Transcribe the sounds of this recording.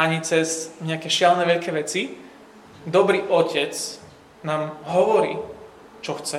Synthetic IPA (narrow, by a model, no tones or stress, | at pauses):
aɲit͡sɛzɲɛakɛːʃɪalnɛʋɛʎkɛːʋɛt͡si | d̪ɔbɾiːʔɔcʰɛt͡s | naːmɦɔʋɔɾḭː | t͡ʃɔxt͡sɛ